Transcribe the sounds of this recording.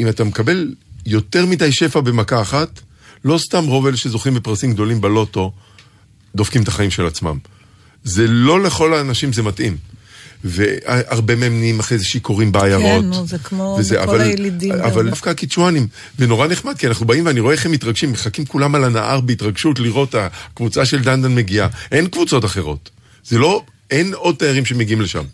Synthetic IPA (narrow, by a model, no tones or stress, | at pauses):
imatamekabe̞ljo̞te̞ʁmidajʃe̞fabe̞makaːχat | lo̞stamʁo̞ve̞leʃezo̞χimbepʁasimɡ̚d̪o̞limbelo̞to̞ | d̪o̞fkimet̪ḁχaimʃe̞lat͡sma̰m | ze̞lo̞le̞χo̞laːnaʃimzematʔim | veaʔaʁbe̞meemnimaχʁejzeʃikʰo̞ʁimbeajaʁo̞tzkmovezeʔa̰vallidavaldafkakit͡ʃuanim | veno̞ʁane̞χmad̪̚kianaχnubaimveaniʁo̞eeχemitʁaɡʃimːeχakimkulamalanaʔaʁbeit̪ʁaɡʃutliʁo̞takvut͡saʃe̞ldand̪anme̞ɡiaʔe̞nkvut͡so̞taχe̞ʁo̞̰t̪ | z̥elo̞ | eno̞d̚t̪ajaʁimʃe̞meɡiimleʃa̰m